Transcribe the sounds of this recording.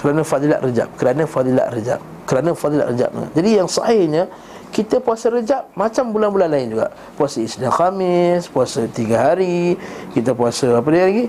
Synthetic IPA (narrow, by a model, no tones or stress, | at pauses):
kəɾanəfad̪ila̰ʔrəd͡ʒa̰p̚kəɾanəfad̪ila̰ʔɾəd͡ʒa̰p̚kəɾanəfad̪ila̰ʔrəd͡ʒa̰p̚nə̰ŋa̰ʔd͡ʒadijaŋsɑ̰hɪhɲə | kit̪əpuasəɾəd͡ʒaʔ̚mat͡ʃambulanbulanlaɪnd͡ʒuɡa̰ʔ | puasəisdanxamɪspuasət̪iɡaɦaɾikit̪əpuasəap̬ədialaɡi